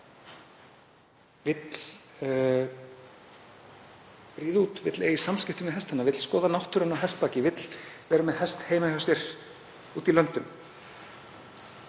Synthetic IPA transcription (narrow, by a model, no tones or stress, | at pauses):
vɪt̪l | pɾiːðuːt̪vɪt̪lḛjisamscɪht̪ʏmɪðɦɛst̪hanavɪt̪l̥skɔːðanawht̪ʏɾʏnawɦɛst̪̚paːcɪvɪt̪l̥vɛːɾamɛðhɛst̪heːjmahɔsɛɾ̥ | uːt̪ilœnt̪ʏm